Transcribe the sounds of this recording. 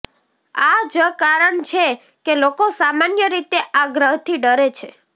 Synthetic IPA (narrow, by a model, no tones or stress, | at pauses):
ad͡ʒəkaɾəɳt͡ʃʰe | kelokosamanjəɾit̪eʔaɡɾəɦt̪ʰiɖəɾet͡ʃʰe